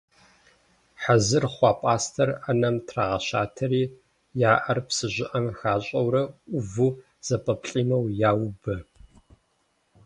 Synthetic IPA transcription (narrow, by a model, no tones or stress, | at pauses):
ħazɨrχʷɑːpʼaːstʰɐrɐnɐmtʰraːʁɐɕaːtʰɐɾiː | jaːʔɐrpsɨʑʷɪʔɐmxaːɕʼɐwɾɐʊvu | z̥ɐpʼɐpɬʼiːmɐwjaːwbɨ